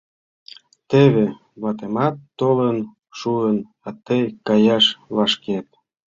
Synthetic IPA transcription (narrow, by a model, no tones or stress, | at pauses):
t̪eβe | βɑt̪emɑt̪ːolən | ʃuən | ɑt̪əjkɑjɑʃlɑʃket̪̚